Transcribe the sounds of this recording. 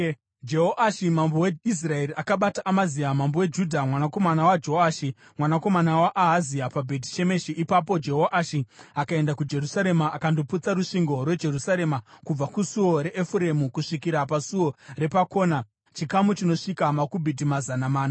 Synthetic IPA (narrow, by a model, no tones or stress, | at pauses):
d͡ʒe̞ɦoʔaʃimamboweis̬rae̞ɾiʔakaɓataʔːmaziamambowe̞d͡ʒudʱamwanako̞manawad͡ʒo̞aːʃi | mwanako̞manawaʔːɦaziapabʱe̞ti̥t͡ʃe̞me̞ʃiʔipapo̞d͡ʒe̞ɦoʔaʃiakae̞ndakud͡ʒe̞rusaɾe̞maʔːkandoput͡saɾuʂiŋɡo̞rwe̞d͡ʒe̞rusaɾe̞makub͡vakusuwo̞ɾe̞ʔefuɾe̞mukuʂikiɾapasuwo̞re̞pako̞ːna | t͡ʃikamut͡ʃino̞ʂikamakubʱit̬imazanamaːna